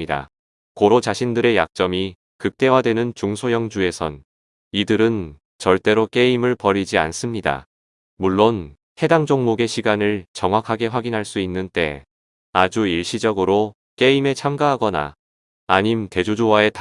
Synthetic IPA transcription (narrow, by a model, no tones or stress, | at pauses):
ida̰ | koɾot͡ɕaɕʰindɯɾe̞jak̚t͡ɕ͈ʌmi | kɯk̚t͈e̞wadwe̞nɯnt͡ɕuŋsʰojʌŋd͡ʑue̞sʰʌn | idɯɾɯn | t͡ɕʌɭt͈e̞ɾok͈e̞imɯɭpʌɾid͡ʑia̰ns͈ɯmɲida̰ | muɭːon | he̞daŋd͡ʑoŋmoɡe̞ɕʰiɡanɯɭt͡ɕʌŋɦwakʰaɡe̞ɸwaɡinɦaɭs͈uinːɯnt͈e̞ | ad͡ʑuiɭɕ͈id͡ʑʌɡɯɾo | k͈e̞ime̞t͡ɕʰamɡaɦaɡʌna̰ | aɲimte̞d͡ʑod͡ʑuwae̞t